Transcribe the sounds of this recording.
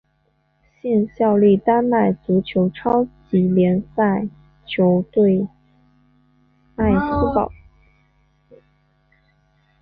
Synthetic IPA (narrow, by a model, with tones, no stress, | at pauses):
ɕi˥˧nɕjɑ˥˧ʊli˥˩t̪a˥nna˥˩ɪt͡su˧˥t͡ɕʰjo˧˥ʊʈ͡ʂʰɑ˥ʊt͡ɕi˧˥ljɛ˧˥nsa˥˩ɪ | t͡ɕʰjo˧˥ʊt̪we˥˩˧ɪ | a˥˩ɪs̩˥pɑ˨˩˦